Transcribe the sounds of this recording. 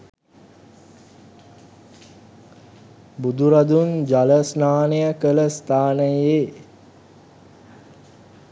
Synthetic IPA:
bud̪uɾad̪und͡ʒaləsnaːnejəkələst̪ʰaːnəjeː

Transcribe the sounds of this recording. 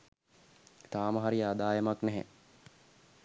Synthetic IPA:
t̪aːməɦaɾiad̪aːjəmaknɛɦɛ̰

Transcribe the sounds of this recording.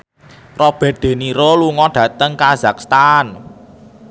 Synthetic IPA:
rɔb̥ɛ̤t̪̚d̪̥e̤niɾoluŋɔɖ̥ä̤t̪əŋkazakst̪an

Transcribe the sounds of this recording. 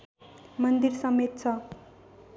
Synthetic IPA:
mʌnd̪iɾsʌmet̪̚t͡sʰʌ

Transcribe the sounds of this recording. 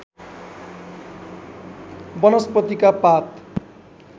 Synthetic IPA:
bʌnʌspʌt̪ikapat̪

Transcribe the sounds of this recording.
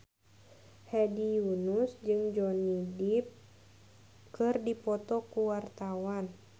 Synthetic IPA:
hɛdijunusd͡ʒɨŋd͡ʒɔnidip̚ | kɨrdipɔt̪ɔkuwart̪awan

